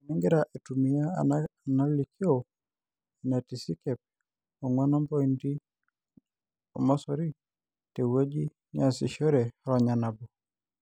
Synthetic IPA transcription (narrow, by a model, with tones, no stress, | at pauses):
ni˦ŋɡɛ˦ɾaʔe˨tu˨mi˨a˦na˦li˨kʰi˦o | na˨ti˨si˦kɛ˨p̚ | ɔ˨ŋwa˦nɔ˦mbɔ˦i˨ndi˦ | o˨mɔ˦sɔ˦ɾi˦ | te˨we˦d͡ʒi˦ | ɲa˦˨si˨ʃɔ˦ɾɛ˨ɾa˨ɲa˨na˨bɔ˨